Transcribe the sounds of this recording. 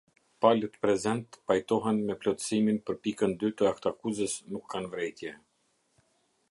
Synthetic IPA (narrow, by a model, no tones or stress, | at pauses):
palət̪pɾɛzɛnt̪pajt̪ɔɦɛnmɛplɔt̪siminpəɾpikənd̪yt̪əakt̪akuzəsnukʰːanvɾɛjt̪jɛ